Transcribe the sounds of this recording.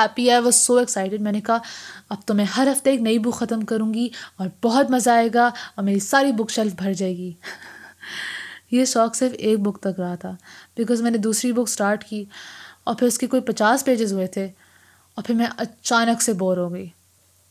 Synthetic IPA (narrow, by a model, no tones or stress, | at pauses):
ɛpiaʋosoːeksaːɪʈɪɖmɛ̃ːnekɐɦaɐb̚t̪omɛ̃ɦɐɾɦɐft̪eeːknɐibʊkxɐt̪əmkɐɾũːŋɡiɔːɾbɔɦʊt̪mɐzaːeːɡaɔːɾmeːɾisaːɾibʊkʃɛlfbʱɐɾd͡ʒaːeːɡiː | jeʃɔːksɪɾfeːk̚bʊkt̪ɐkɾɐɦat̪ʰaːbɪkɔːzmɛ̃ːned̪uːsɾibʊksʈaːɾʈkiːɔːɾpʰɪɾʊskekoːipɐt͡ʃaːspeːd͡ʒɪzɦʊet̪ʰe | ɔːɾpʰɪɾmɛ̃ʔɐt͡ʃaːnəkseboːɾɦoːɡɐiː